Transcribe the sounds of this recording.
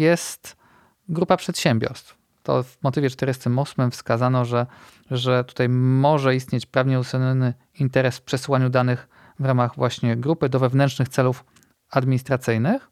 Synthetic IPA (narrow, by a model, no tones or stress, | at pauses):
jɛst̪ | ɡɾupapʂɛt̪ɕɛmʲbʲjɔ̰ɾst̪f | t̪ɔ̰vmɔt̪ɘvʲjɛt͡ʂt̪ɛɾɘst̪ɘmɔsmɘmfskazanɔʐɛ | ʐɛt̪u̥t̪ajmɔʐɛist̪ɲet͡ɕpɾavɲɛut̪sɛɲɔnɘ | int̪ɛɾɛsfpʂɛsɘwaɲud̪anɘx | vɾamaɣvwaɕɲɛɡɾupɘd̪ɔvɛvnɛnʂnɘxt̪sɛluf | ad̪mʲiɲist̪ɾat̪sɘjnɘx